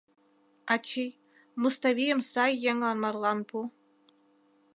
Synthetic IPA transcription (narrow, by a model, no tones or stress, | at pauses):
at͡ʃʰij | must̪avʲijəmsɑjːɛŋlɑnmɑrlˠɑnbu